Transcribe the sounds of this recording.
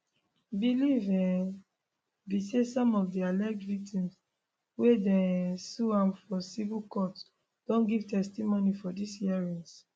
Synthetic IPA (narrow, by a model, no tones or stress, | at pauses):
bilivɛ | bisesɔ̃mɔvdialɛk̚tvik̚tĩms | wedɛsuãmfɔsivilkɔt | d̥ɔ̃nɡiv̥tɛstimonifɔdishiaɹĩns